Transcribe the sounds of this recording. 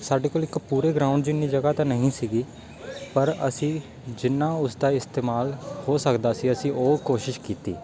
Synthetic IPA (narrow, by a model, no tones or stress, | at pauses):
saːɖeːkoːlɪkpuːɾeːɡɾãːʊ̃ɳɖd͡ʒɪnːiːd͡ʒəɡaːt̪ãːnəɦĩːsiːɡiː | pəɾə̰sĩː | d͡ʒɪnːaːʊsd̪aːɪst̪eːmaːlhoːsəkd̪aːsiːəsĩːʔoːkoːʃɪʃkiːt̪ḭː